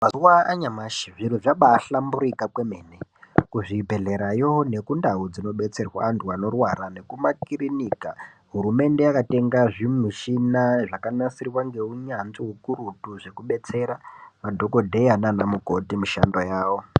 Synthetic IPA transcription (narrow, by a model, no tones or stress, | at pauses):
maziwaaɲamaʃiʐiɾuʐaɓaːɬambuɾikakwemeːnekuʐibʱe̞ɮe̞ɾajone̞kundaud͡zino̞ɓe̞t͡se̞rwa̰ːntʰuano̞rwaɾane̞kumakiɾiniːka | ɦuɾume̞nde̞jakate̞ŋɡaʐimiʃinaʐakanasirwaŋɡe̞uɲanziɦukuɾutuʐekuɓe̞t͡se̞ɾamadʱo̞ko̞dʱe̞jananamuko̞timiʃandojaːwo̞